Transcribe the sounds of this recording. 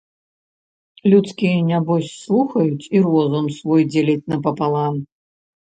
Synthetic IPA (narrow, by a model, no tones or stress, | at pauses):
lʲut̪skʲijɐnʲabɔsʲslˠuxɐjut͡sʲirɔzɔmsvɔjd͡zʲelʲɐt͡sʲnɐpɐpalˠam